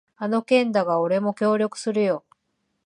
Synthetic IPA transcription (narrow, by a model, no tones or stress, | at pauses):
ano̞kẽ̞nd̪aɡao̞ɾe̞mo̞kʲo̞ːɾʲo̞kɯ̟̥sɨɾɯ̟jo̞